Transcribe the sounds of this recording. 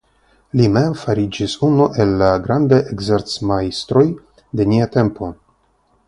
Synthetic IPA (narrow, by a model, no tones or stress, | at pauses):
limemfaɾid͡ʒisunuʔe̞lːaɡɾand̪aʔeɡzeɾt͡smajst̪ɾo̞j | d̪e̞niat̪e̞mpo̞